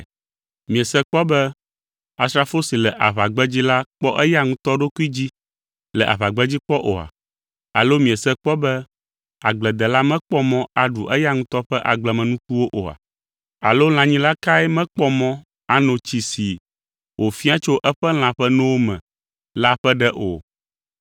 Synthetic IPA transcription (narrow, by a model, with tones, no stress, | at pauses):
mĩ˨ɛ˨sɛ˦k͡pɔ˦bɛ˦ | a˨sɾa˨fo˦si˨lɛ˨ʔa˨βa˨ɡ͡bɛ˦d͡ʑi˦la˦k͡pɔ˦ʔɛ˦ja˦ŋũ˦t̪ɔ˦ɖo˦ku˦i˦d͡ʑi˦ | lɛ˨ʔa̰˨βa˨ɡ͡bɛ˦d͡ʑi˦k͡pɔ˦ʔo˨a̰˨ | a̰˨lo˦mĩ˨ɛ˨sɛ˦k͡pɔ˦bɛ˦ | a˨ɡ͡blɛ˨d̪ɛ˨la˦mɛ̃˦k͡pɔ˦mɔ̃˦a˨ɖu˨ʔɛ˦ja˦ŋũ˦t̪ɔ˦ɸɛ˦ʔa˨ɡ͡blɛ˨mɛ̃˨nũ˦ku˦wo˦ʔo̰˨a̰˨ | a̰˨lo˦l̃ã˨ɲĩ˦la˦ka˦ɛ˦mɛ̃˦k͡pɔ˦mɔ̃˦ | a˨nɔ̃˨t͡ɕi˨si˨ | wʔo˨fi˦a˦t͡ʃo˦ʔɛ˦ɸɛ˦l̃ã˨ɸɛ˦nɛ̃˦wo˦mɛ̰̃˨ | la˦ɸɛ˦ɖɛ˦ʔo̰˨